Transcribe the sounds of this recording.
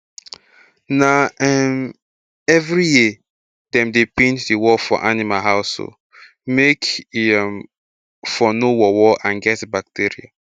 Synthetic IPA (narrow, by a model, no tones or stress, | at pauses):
naɛm | ɛvɹije | dɛ̃mdepẽntdiwɔfɔ̰ʔanimaɦaʊso̰ | mekm | fɔnowɔwɔʔãnɡɛtbak̚tiɹḭa̰